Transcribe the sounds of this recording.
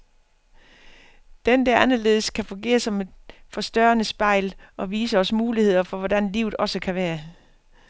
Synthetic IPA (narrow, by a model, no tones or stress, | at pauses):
d̥end̥æɐ̰ænɐle̝̰ːð̞̩ˠəskʰæfɔ̽ŋɡ̥e̝̰ːɐsɒ̽me̝d̥fɒ̽sd̥ɶɐɐnəsb̥ɑ̈ɪ̰lɒ̽ʋiːsəɒ̽səmuːlihe̝ð̞̰ˠɐfɒ̽ʋɒd̥ænliʊð̩ˠɒ̽səkʰæʋæːɐ